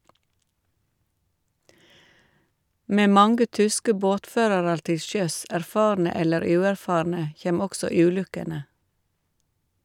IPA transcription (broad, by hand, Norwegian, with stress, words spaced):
ˈmeː ˈmɑŋɡə ˈtʏskə ˈboːtˌføːɾɑɾɑɾ ˈtɪ ˈʃœs æɾˈfɑːɾnə ˈɛləɾ ˈʉːæɾˌfɑːɾnə ˈçeːm ˈɔksɔ ˈʉːˌlʉkənə